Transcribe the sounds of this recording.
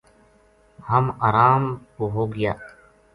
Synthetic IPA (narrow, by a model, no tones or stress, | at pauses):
həmaːɾaːmkoɦoːɡɪjaː